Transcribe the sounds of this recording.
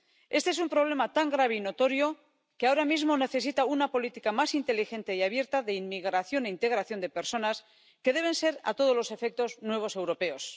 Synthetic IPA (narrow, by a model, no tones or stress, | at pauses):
e̞st̪eesumpɾo̞β̞le̞mat̪aŋɡɾaβeino̞t̪o̞ɾjo̞ | keao̞ɾamizmo̞ne̞θe̞s̬it̪aunapo̞lit̪ikamasint̪e̞lixe̞nt̪e̞iaβ̞je̞ɾt̪aðe̞inmiɣɾaθjo̞neint̪e̞ɣɾaθjo̞nd̪e̞pe̞ɾso̞nas | ke̞ðe̞β̞e̞nse̞ɾa̰t̪o̞ð̞o̞zlo̞se̞fe̞k̚t̪o̞znwe̞β̞o̞se̞wɾo̞pe̞os